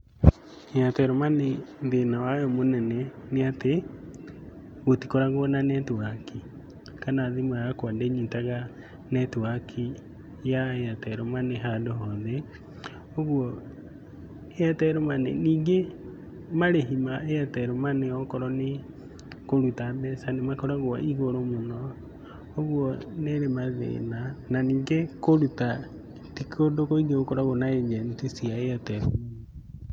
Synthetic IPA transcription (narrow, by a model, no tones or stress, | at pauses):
ejatɛɾɔmanenðenawajɔmonɛnɛneate | ɣotikoɾaɣɔnanɛtwaki | kanaːðimajakwandeɲitaɣa | nɛtwakʰi | jaeatɛɾomaneɦadoɦɔðɛ | oɣwɔ | eatɛɾomanḛniːŋɡe | maɾeɦimaeatɛɾomaneɔkɔɾɔne | koɾutabɛsanemakɔɾaɣwa̰iɣoɾomonɔː | ɣwɔneɾemaðḛːnananiːŋɡekoɾuta | tikodokoiɡeɣokɔɾaɣonaed͡ʒɛntisiaeatɛɾo